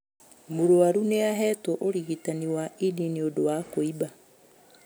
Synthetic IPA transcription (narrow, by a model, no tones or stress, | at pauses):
muɾoaɾuneaɦɛtoʔoɾiɣitaniwaidiniodowakoiba